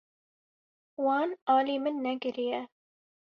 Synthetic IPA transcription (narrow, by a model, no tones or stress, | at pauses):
wɑːnɑːliːmɨnːɛɡɪɾijɛ